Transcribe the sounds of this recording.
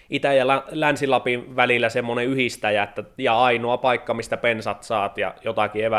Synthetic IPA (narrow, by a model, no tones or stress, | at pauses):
ʔit̪æjælælænsilɑpinʋælilːˑæsemːoneyhist̪æjæet̪ːæjɑɑinoɑpɑikːɑmist̪æpensɑt̪sɑːt̪jɑ̰jot̪ɑkieʋæ